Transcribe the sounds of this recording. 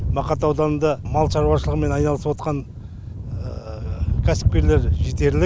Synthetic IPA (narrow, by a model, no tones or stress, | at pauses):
mɑqɑt̪ɑwd̪ɑnənd̪ɑmɑlˠʃɑɾuɑʃəlˠəʁəme̞nɑjnɑlˠəsəpwo̞t̪qɑn | kʲʰæsɪ̥p̚kʲe̞ɾle̞ɾʒet̪e̞ɾlɪk̚